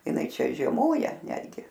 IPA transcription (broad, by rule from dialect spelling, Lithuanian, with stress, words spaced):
ɪˈnɐɪ ˈt͡ʃʲɛ ʒʲiɛˈmoːjɛ ˈnʲæːdʲɡʲɪ